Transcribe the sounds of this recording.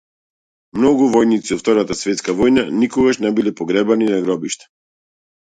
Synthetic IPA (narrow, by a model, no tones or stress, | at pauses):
mnɔɡuvɔjnit̪siɔft̪ɔɾat̪asvɛt̪skavɔjnanikɔɡaʃnɛbilɛpɔɡɾɛbaninaɡɾɔbiʃt̪ɛ̥